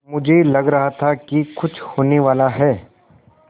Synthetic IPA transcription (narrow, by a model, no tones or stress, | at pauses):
mʊd͡ʒʱelɐɡɾɐɦat̪ʰakikʊt͡ʃʰhoːneʋaːlaɦɛː